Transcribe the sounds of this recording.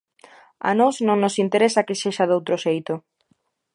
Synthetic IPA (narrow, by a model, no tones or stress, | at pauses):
a̰nosnõŋnosint̪eɾesakeseʃaðowt̪ɾoʃejt̪o